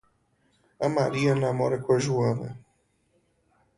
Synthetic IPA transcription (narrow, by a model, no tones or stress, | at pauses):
amaɾianamoɾekʷeʒuamḛ